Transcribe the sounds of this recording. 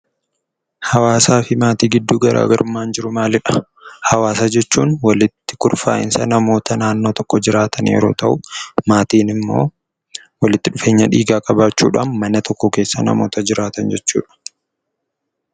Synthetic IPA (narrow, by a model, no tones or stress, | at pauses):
hɐwaːsaːfɪmaːt̪iːɡɪd̪ːuːɡɐɾʔa̰ːɡɐɾʊmːaːnd͡ʒɪɾʊmaːlɪᶑɐ̥ | hɐwaːsad͡ʒɛt͡ʃːuːnwɐlɪt̪ːɪ̥kʊɾfa̰ːʔɪ̰nsɐnɐmo̞ːt̪ɐnaːnːo̞ːt̪ɔkːɔd͡ʒɪɾaːt̪ʰɐnjɛ̰ɾoːt̪ɐʔʊmaːt̪iːnɪmːo̞̰ː | wɐlɪt̪ːɪᶑʊfe̞ːɲːɐᶑiːɡaːkʼɐbaːt͡ʃːṵːᶑa̰ːnmɐnɐt̪ʰɔkːɔke̞ːsːɐnɐ̰mo̞ːt̪ɐd͡ʒɪɾaːt̪ɐnd͡ʒɛt͡ʃːṵːᶑɐ̥